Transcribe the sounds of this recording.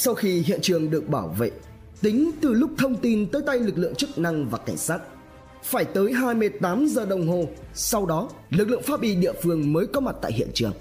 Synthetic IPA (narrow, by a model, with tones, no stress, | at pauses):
sa˧wxi˧ɦḭ˧˨ənt͡ɕɨ˨˩əŋɗɨ˨˩ək̚ɓaː˧˩wvḛ˧˨ | t̪ï˨˦ŋ̟t̪ɨ˨˩lʊ˦˥k͡p̚t̪ʰə˧wŋ͡mt̪i˧nt̪əː˨˦jt̪a˧jlɨ˨˩k̚lɨ̰˧˨əŋt͡ɕɨ˦˥k̚na˧ŋvaː˨˩ka˧˩jŋ̟saː˦˥t̚ | faː˧˩jt̪əː˨˦jɦaː˧jmɨ˧ə˧jt̪aː˨˦mzəː˨˩ɗə˨˩wŋ͡mɦo˨˩sa˧wɗɔ˨˦lɨ˨˩k̚lɨ̰˧˨əŋfaː˨˥ɓḭ˧˩ɗḭ˧˨əfɨ˧əŋməː˨˦jkɔ˨˦ma˨˩t̚t̪a̰ː˧˨jɦḭ˧˨ənt͡ɕɨ˨˩əŋ